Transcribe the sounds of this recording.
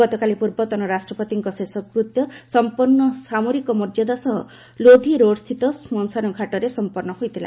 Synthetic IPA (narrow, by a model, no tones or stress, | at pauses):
ɔt̪ɔkalipuɾbɔt̪ɔnɔɾasʈɾɔpɔt̪iŋkɔsesɔkpɾut̪jɔsɔmpunːɔsamoɾikɔmɔɾd͡ʒɔd̪asɔɦɔ | lod̪ʱiɾoɽɔst̪ʰit̪ɔsmɔnsanɔkʰaʈɔɾesɔmpɔɾnɔɦojt̪ʰila̰